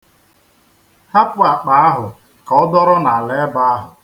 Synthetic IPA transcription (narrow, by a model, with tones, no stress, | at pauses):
ha˦pʊ˦a˨k͡pa˨˦a˦ɦʊ˨ | kɔ˦ɔ˦dɔ˦ɾɔ˦na˨lɛ˦ba˦a˦ɦʊ˨